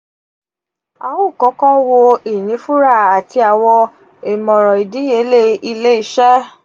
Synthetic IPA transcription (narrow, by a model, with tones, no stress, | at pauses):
a˨˦wu˦˨kɔ̃˨˦kã˦wo˧i˦˨nĩ˨˦fu˦ɾa˦˨a˨ti˧a˨wɔ˧ | e˨mɔ̃˨ɾɔ̃˨i˨di˨˦je˨˦le˦i˧le˦i˦ʃɛ˦